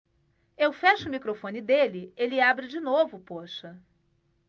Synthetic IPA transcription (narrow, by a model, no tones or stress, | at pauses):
ewfɛʃʊmikɾofõnɪd̪elɪelɪabɾɪd͡ʒinovʊpoʃɐ